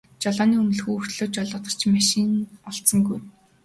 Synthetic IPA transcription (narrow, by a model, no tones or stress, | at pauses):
t͡ɕɔɮɔːniːɵmɵ̆ɮxuːɵr̥t̪ɮoːt͡ɕɔɮɔːt̪ə̆r̥t͡ɕmaʃinɔɬt̪sɞ̆ŋɡuj